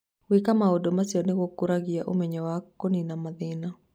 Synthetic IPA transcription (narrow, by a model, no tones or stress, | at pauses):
wikamaodomasiɔnewokːuɾaɡiaʔomɛɲɔwakːoninamaðɪna